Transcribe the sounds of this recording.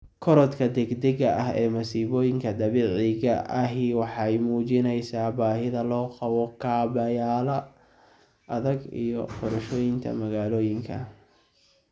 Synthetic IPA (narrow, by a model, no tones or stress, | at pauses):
kʰɔɾɔt̪kʰɐd̪ɛɡd̪ɛɣɐʔɐɦɛːmɐsiːβɔːjɪŋkʰɐd̪ɐβiʕɪɣɐʔɐɦiwɑħɑjmuːt͡ʃɪnɛjsaːbaːɦɪðɐlɔːqɑwɔkʰaːbɐjaːlɐ | ʔɐðɐɡḭjɔ̰qɔɾɐʃɔːjɪŋt̪ʰɐ̰mɐɣaːlɔːjɪŋkʰɐ̰